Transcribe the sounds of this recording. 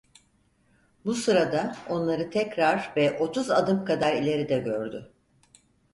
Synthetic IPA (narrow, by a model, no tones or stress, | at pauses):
busɯɾad̪ao̞nlˠaɾɯt̪ʰɛcɾaɾvɛʔo̞t̪ʰuzad̪ɯmkʰad̪aɾilʲe̞ɾid̪ɛɟøɾd̪ʏ